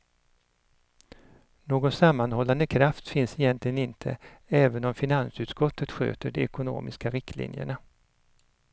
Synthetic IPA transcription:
noːɡɔnsamːanhɔlːand̪əkʰɾaft̪fɪnsɪjɛnt̪lɪɡənɪnt̪ʰə̰ɛːvənɔmfɪnansʉ̟ːt̪skɔt̪ʰːət̪ɧø̰ːt̪əɖɛɛkʊno̰ːmɪskaɾɪkt̪ʰlɪ̰njə̰ɳa

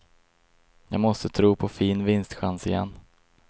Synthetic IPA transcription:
jɑːɡmɔst̪ət̪ʰɾuːpʰɔfiːnvɪnst̪ɧansɪjɛ̰nː

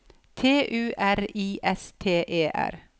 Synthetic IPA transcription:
t̪ʰeːʔʉːʔæɾiːʔɛst̪ʰeːʔeːʔæ̰ɾ

